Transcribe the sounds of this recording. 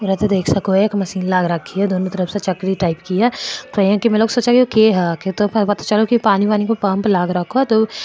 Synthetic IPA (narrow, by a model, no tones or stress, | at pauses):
ʊɾət̪ed̪eːkʰsɐkoɛkmɐsiːnlaːɡɾɐkʰːiɦɛd̪oːnõt̪ɐɾəfset͡ʃɐkɾiʈaːɪpkiɛːt̪ojãːkimɛ̃ːloːɡsoːt͡ʃakiokeɦɛakʰet̪opɐt̪ʰat͡ʃɐlokipaːniʋaːnikopaːmplaːɡɾɐkʰːoɦɛt̪oː